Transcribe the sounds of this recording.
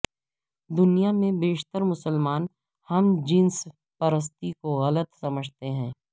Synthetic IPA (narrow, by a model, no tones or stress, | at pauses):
d̪ʊnijamẽbeːʃt̪əɾmʊsəlmaːn | hɐmd͡ʒiːns | pɐɾəs̬t̪ikoɣɐlət̪sɐməd͡ʒʱt̪eɦɛ̃ː